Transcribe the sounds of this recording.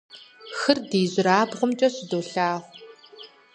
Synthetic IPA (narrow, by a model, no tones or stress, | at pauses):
xɨrdeːʑʷɪɾaːbʁəmt͡ʃʼɐɕɪdoːɬaːʁʷ